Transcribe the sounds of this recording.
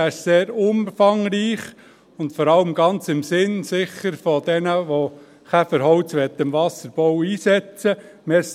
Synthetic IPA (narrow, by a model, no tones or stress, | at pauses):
æɪʃseːɾʊmfɑŋɾiːχ | ʊntfɔɾɑləmɡ̥ɑnt͡sɪmsɪnsɪχːəɾfɔd̥̪ɛnəʋo | kæfəɾɦɔʊt͡sʋɛt̪ːɪmʋɑsəɾb̥ɔwiːsɛt͡sə | meːs